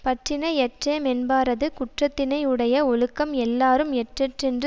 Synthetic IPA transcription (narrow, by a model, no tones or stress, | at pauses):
pɐʈrɪnɐɪɛʈreːmɛnbaːɾɐðɯkʊʈrɐt̪ːɪnɐɪɯɽɐjɐɔɭɯkːɐmɛlːaːɾɯmɛʈrɛʈrɛndrɯ